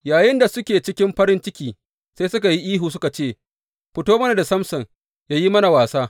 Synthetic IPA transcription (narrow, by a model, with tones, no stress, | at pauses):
jaː˨jɪ˦nda˨sʊ˦kʲeː˨t͡ʃɪ˦kʲɪ˦mɸɐ˦ɾɪ˦nt͡ʃɪ˦kʲiː˨ | seː˦sʊ˦ka˨ji˦ʔiː˦ɦuː˨s̬ʊ˦ka˨t͡ʃeː˦˨ | ɸɪ˦toː˦mɐ˦na˨da˨sɐ˦msɐ˨ŋ | jaː˦ji˦mɐ˦na˨waː˨saː˦